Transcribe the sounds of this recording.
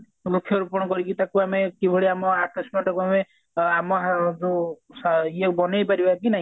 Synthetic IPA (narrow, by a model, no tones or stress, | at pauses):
lokʰjɔɾupɔɽ̃ɔkɔɾikit̪akuamekibʱɔɽiamɔakɾismɔʈakuame | amɔad͡ʒusiekbɔnejpaɾibakinaɦĩ